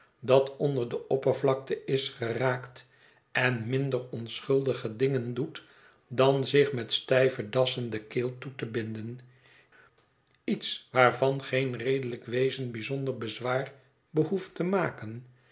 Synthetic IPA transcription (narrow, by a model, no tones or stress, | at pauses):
dɑtɔndəɹdəʔɔpəɹvlɑk̚təʔɪsχəraːkt | ɛnmɪndərɔnsχɵlˠdəχədɪŋəndut | dɑnzɪχmɛtstɛjvədɑsəndəkɪːlˠtutəbɪndən | itsʋaːɹvɑnχejnrejdələkʋejzənbizɔndəɹbəzʋaːr | bəɦuftəmaːkən